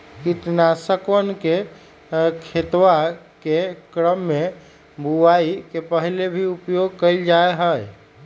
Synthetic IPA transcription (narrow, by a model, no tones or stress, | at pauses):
kit̪nasəkwənke | kʰet̪wa | kekɾəmːe | bʱuaikepəɦlebʱiupjoɡ̚kəɪld͡ʒaeɦəj